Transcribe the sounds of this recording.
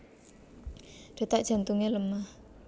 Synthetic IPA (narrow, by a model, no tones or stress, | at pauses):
ɖ̥e̤t̪aʔʒ̥a̤nt̪uŋeləmah